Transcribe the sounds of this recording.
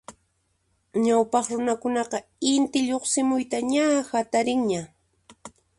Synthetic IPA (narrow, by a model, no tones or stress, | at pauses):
ɲawpɑχɾʊnakʊnɑqɑɪnt̪ɪʎoχsɪmʊjt̪aɲahat̪aɾɪŋɲa